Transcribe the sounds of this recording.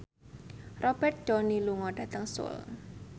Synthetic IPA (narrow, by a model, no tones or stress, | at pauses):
rɔb̥ɛrt̪̚d͡ʒ̥ɔniluŋɔɖ̥a̤t̪əŋsʊ̰l